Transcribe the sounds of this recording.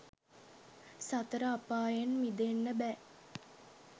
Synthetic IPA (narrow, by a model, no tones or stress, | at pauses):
sat̪əɾəapaːjanmid̪enːəbæ